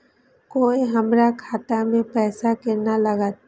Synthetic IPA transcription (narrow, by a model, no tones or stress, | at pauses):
koːiɦɐmɾakʰaːt̪amẽpɛːsakenalɐɡaːt̪